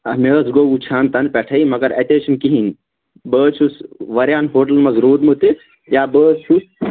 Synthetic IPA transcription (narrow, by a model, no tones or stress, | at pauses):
ɐmeːsɡout͡ʃʰaːnt̪ɐnpʲɛʈʰɐimɐɡɐɾɐt̪eːʃɐnkiɦin | bəːt͡ʃʰusʋɐɾʲjaːnɦoːʈɐlmɐzɾuːɾmut̪i | jaːbəːst͡ʃus